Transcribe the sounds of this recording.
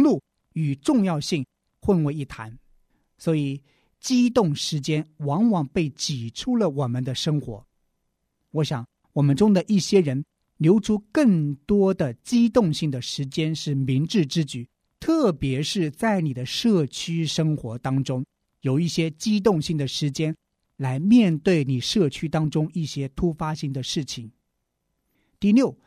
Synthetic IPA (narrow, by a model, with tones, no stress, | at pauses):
lu˥˩ | y˨˩ʈ͡ʂʊ˥˧ŋjɑ˥˧ʊɕi˥˩ŋ | xwə˥˧nwe˧ɪi˥˩t̪ʰa̰˧˥n | swɔ˧˥i˨˩ | t͡ɕi˥t̪ʊ˥˩ŋʂɻ̩˧˥t͡ɕjɛ˥nwɑ˧˥ŋwɑ˨˩ŋpe˥˩ɪt͡ɕi˨˩ʈ͡ʂʰu˥lə˨wɔ˨˩mə˦nd̪ə˧ʂɤ˥ŋxwɔ̰˧˥ | wɔ˧˥ɕjɑ˨˦ŋ | wɔ˨˩mə˦nʈ͡ʂʊ˥ŋd̪ə˨ʔi˥˩ɕjɛ˥ɻə˧˥n | ljo˧˥ʊʈ͡ʂʰu˥kə˥˩ŋt̪wɔ˥d̪ə˨t͡ɕi˥t̪ʊ˥˧ŋɕi˥˩ŋd̪ə˩ʂɻ̩˧˥t͡ɕjɛ˥nʂɻ̩˥˩mi˧˥ŋʈ͡ʂɻ̩˥˧ʈ͡ʂɻ̩˥t͡ɕy˨˩˦ | t̪ʰɤ˥˩pjɛ˧˥ʂɻ̩˥˧t͡sa˥˩ɪni˨˩d̪ə˦ʂɤ˥˩t͡ɕʰy˥ʂɤ˥ŋxwɔ˧˥t̪ɑ˥ŋʈ͡ʂʊ˥ŋ | jo˨˩ʊi˥˩ɕjɛ˥t͡ɕi˥t̪̬ʊ˥˧ŋɕi˥˩ŋd̪ə˩ʂɻ̩˧˥t͡ɕjɛ˥n | la˧˥ɪmjɛ˥˧nt̪we˥˩ɪni˨˩ʂɤ˥˩t͡ɕʰy˥t̪ɑ˥ŋʈ͡ʂʊ˥ŋi˥˩ɕjɛ˥t̪ʰu˥fa˥ɕi˥˩ŋd̪ə˩ʂɻ̩˥˩t͡ɕʰi˨˩ŋ | t̪i˥˧ljo˥˩ʊ